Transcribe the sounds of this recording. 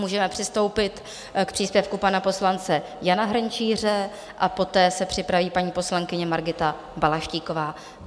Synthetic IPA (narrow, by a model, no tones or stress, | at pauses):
muːʒɛmɛpr̝̥ɪst̪o̞wpɪt̪ | k̚pr̝̥iːspjɛfkupanapo̞slant͡sɛ | janaɦɾɲt͡ʃiːr̝ɛ | ʔapo̞t̪ɛːsɛpr̥ɪpɾaviːpaɲiːpo̞slaŋkɪɲɛmaɾɡɪt̪a | balaʃciːko̞vaː